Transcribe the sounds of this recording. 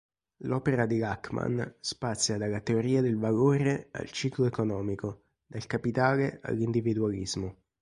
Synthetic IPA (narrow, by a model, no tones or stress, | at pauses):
lɔːpeɾad̪ilakma̰nspat̪sjad̪alːat̪eoɾiːad̪elvaloːɾea̰lt͡ʃiːkloekonɔːmiko | d̪̥alkapit̪aːlea̰lːind̪ivid̪ualizmo